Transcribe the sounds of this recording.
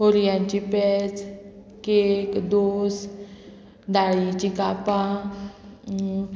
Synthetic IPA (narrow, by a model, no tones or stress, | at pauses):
oɾijãt͡ɕipɛd͡z | kekd̪os | d̪aɭit͡ɕikapã